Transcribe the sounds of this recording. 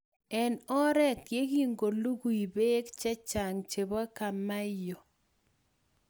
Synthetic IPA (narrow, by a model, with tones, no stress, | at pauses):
ɛ˨nɔ˦ɾɛ˦˨t̚ɡe˦ki˦ŋɡo˨lu˦ɡu˨i˨be˦kt͡ʃɛ˦t͡ʃa˨ŋt͡ʃe˨ba˦ka˨ma˦jo˨